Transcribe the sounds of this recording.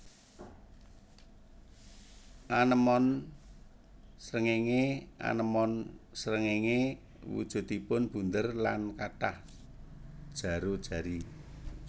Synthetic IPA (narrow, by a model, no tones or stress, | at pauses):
ʔanəmɔn | sɾəŋeŋeʔa̰nəmɔnsɾəŋeŋe | wṵd̥ʒ̥ṳt̪ipʊnb̥ṳnd̪ərla̰nkaʈah | d̥ʒ̥a̤ɾod̥ʒ̥a̤ɾi